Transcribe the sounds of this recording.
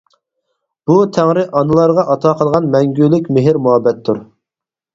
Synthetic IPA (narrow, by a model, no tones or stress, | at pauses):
b̥ut̪ʰæŋɾɪʔɑnɨlˠɑɾʁɑʔɑt̪ʰɑːqʰəlˠʁɑnmɛŋɡʲylɪkʲmɪɦɪɾmuɦɑbːɛt̪ʰːuɾ